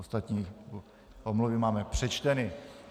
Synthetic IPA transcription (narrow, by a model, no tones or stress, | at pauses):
ost̪at̪ɲiː | ʔomluvɪmaːmɛpr̝̥ɛt͡ʃt̪ɛnɪ